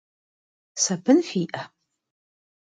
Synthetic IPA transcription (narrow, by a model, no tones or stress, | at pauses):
sɐbɨnxiʔɐ